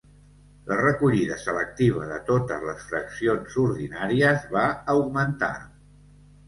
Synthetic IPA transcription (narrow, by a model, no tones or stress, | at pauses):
lərəkuʎiðəsələk̚t̪iβ̞əðət̪ot̪əzləsfɾəksionzuɾðinaɾiəzβaəwɡmənt̪a̰